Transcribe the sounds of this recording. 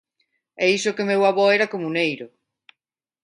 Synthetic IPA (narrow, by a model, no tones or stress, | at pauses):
ɛisʊkemewaβɔɛɾɐkomunejɾʊ